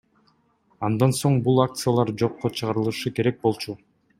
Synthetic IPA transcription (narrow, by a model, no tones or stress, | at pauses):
ɑnd̪ɑnso̞ɴbulˠak̚t̪sɨjalˠɑɾd͡ʒo̞qːot͡ʃʰɯʁɑɾɯlˠɯʃɯke̞ɾe̞k̚bo̞lˠt͡ʃu